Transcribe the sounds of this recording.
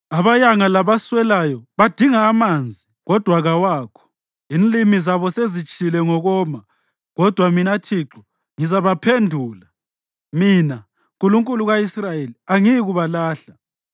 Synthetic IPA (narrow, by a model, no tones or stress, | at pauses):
aβajaŋalaβaswɛlajɔβad̥ʱiŋaːmand͡zʱiɣɔd̥ʱwaɣawaːkʰɔ̥ | inlimizaβɔsezit͡ʃʼʰilɛŋɔɣɔːma | ɣɔd̥ʱwaminatʰiǁɔ | ŋizaβapʰendʱuːla | mina | ŋkʼuluŋkʼuluɣaisrajeliaŋijɣuβalaːɬa